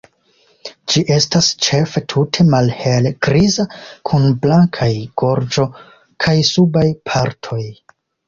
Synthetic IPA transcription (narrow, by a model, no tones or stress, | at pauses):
d͡ʒiʔe̞stast͡ʃe̞fe̞tʰutʰe̞malhelɡ̥ɾizakʰunblaŋkʰajɡ̥o̞ɾd͡ʒo̞ | kʰajsubajpʰaɾtʰo̞j